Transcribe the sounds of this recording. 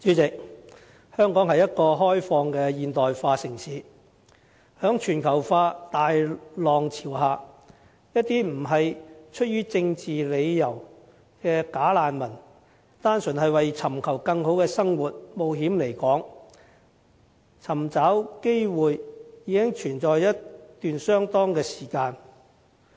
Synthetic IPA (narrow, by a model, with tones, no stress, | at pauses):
t͡ʃyː˨˥t͡sɪ˨k̚ | hœː˥ŋkɔː˨˥ŋhɐ˨jːɐ˥t̚kɔː˧ɦɔː˥jfɔː˧ŋkɛː˧jiː˨nt̪ɔː˨jfaː˧sɪ˨˩ŋsiː˨˥ | hœː˨˥ŋt͡ʃʰyː˨˩nkʰɐ˨˩wfaː˧t̪aː˨jlɔː˨ŋt͡sʰiː˨˩wɦaː˨˧ | jɐ˥t̚t̪iː˥m̩˨˩ɦɐ˨jt͡ʃʰɵ˥t̚ɥyː˥t͡sɪ˧ŋt͡siː˨le˨˧jjɐ˨˩w | kɛː˧kaː˨˥laː˨˧nmɐ˨˩n | t̪aː˥nsɵ˨˩nhɦɐ˨jwɐ˨jt͡sʰɐ˨˩mkʰɐ˨˩wkɐ˧ŋɦo˨˥wkɛː˧sɐ˥ŋwuː˨t̚mo˨˧wɦiː˨˥mle˨˩jkɔː˨˥ŋ | t͡sʰɐ˨˩mt͡saː˨˥wke˥jwuː˨jjiː˨˧kɪ˥ŋt͡ʃʰyː˨˩nt͡sɔː˨jjɐ˥tt̪yː˨nsœː˥ŋt̪ɔː˥ŋkɛː˧si̥ː˨˩kaː˧n